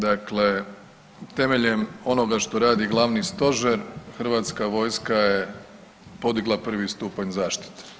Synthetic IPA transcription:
d̪akle̞ | t̪e̞me̞ʎe̞mo̞no̞ɡaʃt̪o̞ɾaːd̪iɡlˠaʋnist̪o̞ʒeɾxr̩ʋat̪skaʋo̞ːjskaje̞ | po̞d̪iɡlˠapr̩ʋist̪uːpaɲzaːʃt̪i̥t̪e̥

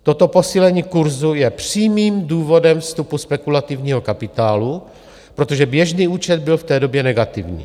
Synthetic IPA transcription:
t̪ot̪o̞po̞siːlɛɲiːkuɾzujɛpr̥iːmiːmduːvo̞dɛmfst̪upuspɛkulat̪ɪvɲiːɦo̞kapɪt̪aːlu | pɾo̞t̪o̞ʒɛbjɛʒniːʔuːt͡ʃɛd̪̚bɪlft̪ɛːdo̞bjɛnɛɡat̪ɪvɲḭː

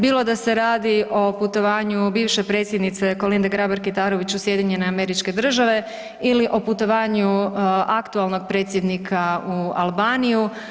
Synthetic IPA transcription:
biːlo̞d̪ase̞ɾaːd̪io̞put̪o̞ʋaːɲubiːʋʃe̞pɾe̞ːt̪sjed̪nit̪se̞ko̞lind̪eɡɾabaɾkit̪aːɾo̞ʋit͡ɕusje̞d̪iɲe̞neameɾit͡ʃke̞d̪r̩ʒaʋe̞ | iliʔo̞put̪o̞ʋaːɲuakt̪ualˠno̞ɡ̚pɾet̪sʲjed̪nikʰaua̰lˠbaːniju

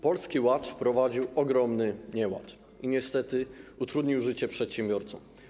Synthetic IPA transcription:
pɔlskʲiwat̪fpɾɔvad͡ʑiwɔɡɾɔmnɘɲɛwa̰t̪ | iɲɛst̪ɛt̪ɘut̪ɾud̪ɲiwʐɘt͡ɕɛpʂɛt̪ɕɛmbʲjɔɾt̪sɔ̃m

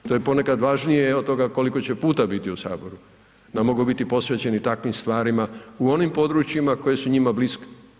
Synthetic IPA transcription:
t̪ojepo̞ne̞kad̪ʋaʒnijeod̪t̪o̞ɡako̞liko̞t͡ɕe̞puːt̪abit̪iusa̰ːbo̞ɾu | namːo̞ɡubit̪ipo̞sʋe̞t͡ɕe̞nit̪akʋimst̪ʋaːɾimauo̞nimpo̞d̪ɾut͡ɕjimako̞je̞suɲimabliske̥

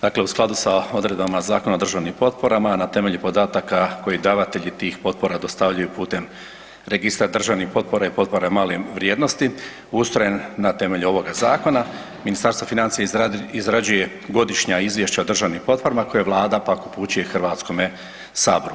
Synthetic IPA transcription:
d̪̥aːkle̞usklˠad̪usao̞d̪ɾe̞d̪bamazaːko̞naod̪rʒaʋnimpo̞t̪̚po̞ɾamanat̪e̞me̞ʎupo̞d̪aːt̪akako̞jid̪aːʋat̪e̞ʎit̪iːxpo̞t̪̚po̞ɾad̪o̞st̪aʋʎajupuːt̪e̞m | ɾeɡist̪aɾd̪r̩ʒaʋnixpo̞t̪̚po̞ɾaipo̞t̪̚po̞ɾamaːleʋɾjeːd̪no̞st̪i | ust̪ɾo̞jenːat̪e̞me̞ʎuo̞ʋo̞ɡazaːko̞na | minist̪aɾst̪ʋofinant̪sijaizɾad͡ʑuje̞ | ɡo̞d̪iʃɲaizʋje̞ʃt͡ɕaod̪ɾr̩ʒaʋnimpo̞t̪̚po̞ɾamakojeʋlˠaːd̪apakupuːt͡ɕuje̞xr̩ʋaːt̪sko̞me | saːboɾu

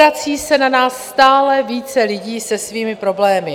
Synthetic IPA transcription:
at͡siːsɛnanaːsːt̪aːlɛviːt͡sɛlɪɟiːsɛsviːmɪpɾo̞blɛːmɪ

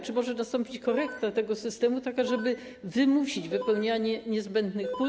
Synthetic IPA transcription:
t͡ʂɘmɔʐɛnast̪ɔ̃mpʲit͡ɕkɔɾɛkt̪at̪ɛɡɔsɘst̪ɛmut̪akaʐɛbɘ | vɘmuɕid͡ʑvɘpɛwɲaɲɛɲɛzbɛnd̪nɘxpu

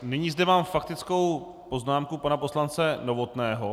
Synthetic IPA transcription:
nɪɲiːzdɛmaːmfakt̪ɪt͡sko̞w | po̞znaːmkupanapo̞slant͡sɛno̞vo̞t̪nɛːɦo

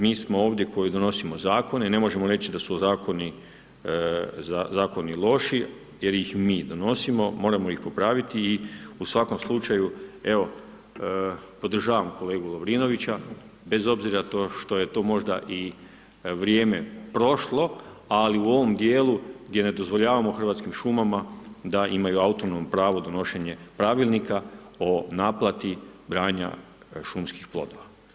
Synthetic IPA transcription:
miːsmo̞oːʋd̪je̞ko̞jid̪o̞no̞simo̞zaːko̞nene̞mo̞ʒe̞mo̞ɾe̞t͡ɕid̪asuozaːko̞ni | zazaːko̞nilˠo̞ʃi | je̞ɾjixmiːd̪o̞no̞simo̞mo̞ːɾamoixpo̞pɾaːʋit̪iːusʋako̞mslˠut͡ʃajue̞o̞ | po̞d̪r̩ʒaːʋamko̞le̞ːɡulˠoʋɾiːno̞ʋit͡ɕa | be̞zo̞bziɾat̪oʃt̪o̞je̞t̪o̞ːmo̞ʒd̪a̰ʔi | ʋɾjeːme̞pɾo̞ʃlˠo̞aliuo̞ʋo̞md̪je̞ːlˠuɡd̪jene̞d̪o̞zʋo̞ʎaːʋamoxr̩ʋat̪kimʃumamad̪aimajuaut̪onompɾaːʋo̞d̪o̞no̞ʃeɲe̞pɾaʋilˠnika | o̞naːplˠat̪ibɾaːɲa̰ | ʃumskixplˠo̞̰d̪o̞ʋa

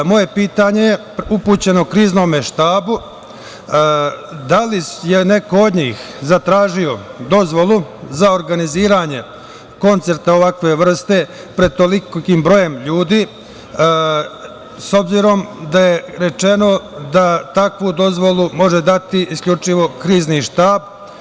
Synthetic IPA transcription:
mo̞je̞piːt̪aɲe̞je | upuːt͡ɕe̞nokɾiːzno̞meʃt̪aːbu | d̪alijene̞kood̪ɲiːxzat̪ɾaːʒio̞d̪o̞zʋo̞lˠuzao̞ɾɡaniziːɾaɲe̞ | ko̞nt̪se̞ɾt̪aoʋakʋe̞ʋr̩st̪e̞ | pɾe̞d̪̚t̪o̞likkiːmbɾo̞je̞mʎuːd̪iː | so̞bziɾo̞md̪aje̞ɾe̞t͡ʃe̞no̞d̪at̪akʋud̪o̞zʋo̞lˠumo̞ʒed̪at̪iʔiskʎʲut͡ʂiʋo̞kɾiːzniʃt̪aːb̚

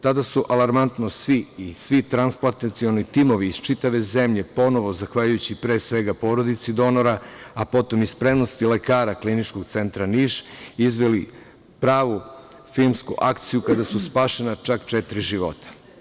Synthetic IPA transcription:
t̪ad̪asuʔalaɾmant̪nosʋiisʋit̪ɾansplat̪ent̪sio̞nit̪imo̞ʋiːzt͡ʃit̪aʋe̞ze̞mʎe̞po̞no̞ʋo̞zaxʋaʎujut͡ɕipɾe̞ːsʋe̞ɡapo̞ɾod̪it̪sid̪o̞no̞ɾaapo̞t̪o̞mispɾe̞mno̞st̪ile̞kaːɾaklinit͡ʃko̞ɡt̪se̞nt̪ɾaniʃizʋeli | pɾaːʋu | filmskuʔakt̪sijukad̪asuspaːʃenat͡ʃakt͡ʃet̪ɾiʒiʋo̞̰t̪ḁ

